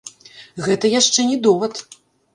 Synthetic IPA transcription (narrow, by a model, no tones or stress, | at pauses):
ɣɛt̪ɐjaʂt͡ʂɛnʲɛd̪ɔvɐt̪